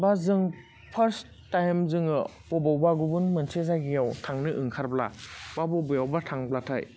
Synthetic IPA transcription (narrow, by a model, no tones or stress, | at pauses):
bazɯŋ | pʰɐɾs | tːajmzɯŋɯ | bɔbawbaɡubunmɯnsʰezajɡijawtʰaŋnɯʔɯŋkʰaɾbla̰wabɔbɯjawbatʰaŋblatʰa̰j